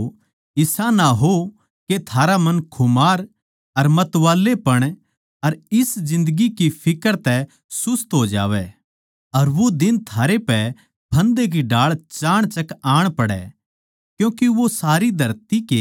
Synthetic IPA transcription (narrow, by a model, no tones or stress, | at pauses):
ɪsanaɦo | ket̪ʰaːɾamɐ̃nkʰʊmaːɾ | ɐɾmɐt̪ʋaːlːepɐɽ̃ | ɐɾɪsd͡ʒɪ̃nd̪əɡikipʰɪkəɾt̪ɛ | sʊst̪ɦoːd͡ʒa̰ːʋɛ | ɐɾʋod̪ɪnt̪ʰaːɾepɛ | pʰɐ̃nd̪ek̬iɖaːɭt͡ʃaːɽ̃t͡ʃɐkaːɽ̃pɐɽɛ̰ | kjũːkeʋosaːɾid̪ʱɐɾt̪ike